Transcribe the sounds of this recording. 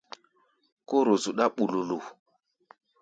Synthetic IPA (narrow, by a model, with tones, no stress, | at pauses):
ko˦ɾo˨zu˨ɗa˦ɓu˨lu˨lu˨